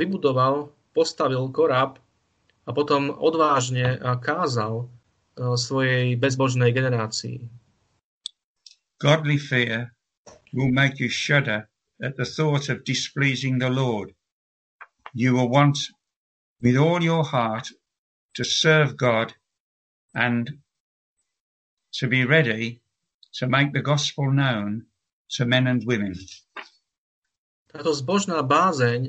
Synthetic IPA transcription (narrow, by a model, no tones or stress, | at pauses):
ibud̪ɔʋal | pɔst̪aʋilkɔɾap | apɔt̪ɔmɔ̰d̪ʋaːʒɲɛkaːzal | sʋɔjɛjbɛzbɔʒnɛjɡɛnɛɾaːt͡siḭ | ɡ̥ɑdˡlifɪɹ | wɪlˠmeɪkʰjɨʃʌɾə˞ | ɨt̪̚ðəθɔɾʌvdɪspliːzɪ̃ŋðəlɔɹd | jɨwɪlˠwɑ̃nt | wɨðɔlˠjə˞hɑɹtʰ | ɨsɜ˞vɡɑɾ | ɨ̃n | tʰɨbiɹɛɾi | ɾɨmeɪk̚ðɨɡɑspəl̩ˠnõʊ̃n | tʰɨmɛ̃nɨ̃nwɪ̃mɨ̃n | t̪at̪ɔzbɔʒnabazɛɲ